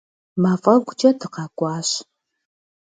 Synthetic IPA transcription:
maːfʼɐrɡʷʊt͡ʃʼɐdʰɨqɑːkʷʼɑːɕ

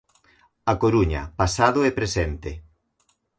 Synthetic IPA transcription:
akoɾuɲɐ̰pasaðoɛpɾesent̪e

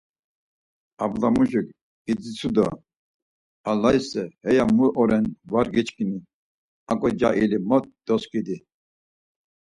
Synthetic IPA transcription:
ablamuʒik | id͡zit͡sʰud̪ɔ̰ | alaisɛhɛjamuʔɔɾɛnvaɾɡɛt͡ʃʰkʼini | akʼɔd͡ʒaʔilimɔt̪̚d̪̥ɔskʼid̪i

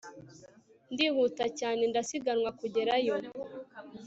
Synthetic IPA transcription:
ndihuːtacaːne̞ndasiɡanwakuɟe̞ɾajo̞

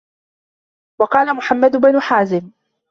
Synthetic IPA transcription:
wɑqɑːlamʊħamːad̪ʊbanʊħaːzɪm

